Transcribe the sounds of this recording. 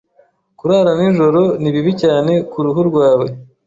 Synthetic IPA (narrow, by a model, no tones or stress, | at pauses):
kuɾaːɾaninʒo̞ɾo̞niβiβicaːne̞kuɾuɦuɾɡwaːwe̞